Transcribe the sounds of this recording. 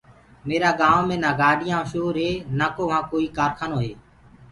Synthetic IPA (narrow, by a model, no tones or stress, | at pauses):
meːɾaːɡaːʋmẽːnaːɡaːɖɪjãːʃoːɾɦeːnaːkoːʋãːkoːiːkaːɾkʰaːnoːɦeː